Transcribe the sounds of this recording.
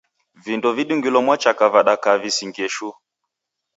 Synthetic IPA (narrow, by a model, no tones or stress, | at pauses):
vindɔviɗuŋɡilɔmwat͡ʃakavaɗakavisiŋɡɛʃu